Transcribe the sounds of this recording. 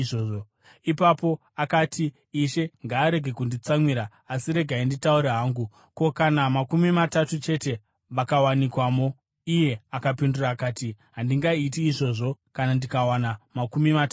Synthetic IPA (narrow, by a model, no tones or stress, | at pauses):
ʐoːo | ipapo̞ | akatʰiː | ʃe̞ŋɡaːɾe̞ɡʱe̞kundit͡samwiɾaː | siɾe̞ɡʱainditauɾeɦaːŋɡu | ko̞kanamakumimatatut͡ʃe̞te̞ | ʋakawanikwamo | ije̞akapinduraːkaːtiɦandiŋɡaitiːʐo̞ʐo̞kanandikawanamakumimatː